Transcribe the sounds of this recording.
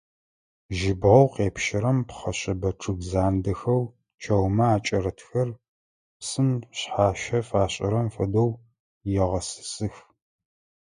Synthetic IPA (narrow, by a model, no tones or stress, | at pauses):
ʒɪbʁɐwqeːpʃɪɾɐmpχɐɕɐbɐʈ͡ʂʼɨɡzaːndɐxɐw | t͡ʃʰɐwmɐaːt͡ʃʼɐɾɐtʰxɐr | psɨnɕħaːʃɐfaːɕʼɐ̰ɾɐmfɐdow | jɛʁɐsɨ̥sɨx